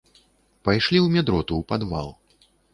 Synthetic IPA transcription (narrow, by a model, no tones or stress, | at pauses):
pajʂlʲiwmʲɛd̪ɾɔt̪uːpad̪va̰lˠ